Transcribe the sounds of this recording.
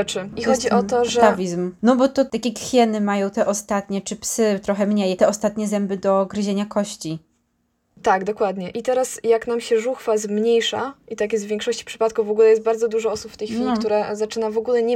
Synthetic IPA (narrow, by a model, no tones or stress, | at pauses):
t͡ʂɘixɔd͡ʑiɔt̪ɔʐavʲizmnɔbɔt̪ɔt̪akʲɛkfʲjɛnɘmajɔ̃w̃t̪ɛʔɔst̪at̪ɲɛt͡ʂɘpsɘt̪ɾɔxɛmɲejt̪ɛɔst̪at̪ɲɛzɛmbɘd̪ɔɡɾɘʑeɲakɔɕt͡ɕi | t̪aɡd̪ɔkwad̪ɲɛʔit̪ɛɾasjaknamɕɛʐuxfazmɲejʂa̰ʔit̪ak̬jɛst̪vʲjɛ̃ŋkʂɔɕt͡ɕi̥pʂɘ̥pat̪kuvvːɔɡulɛjɛst̪baɾd̪zɔd̪uʐɔɔsupft̪ɛjxfʲilikt̪uɾɛzat͡ʂɘnavɔɡulɛɲɛ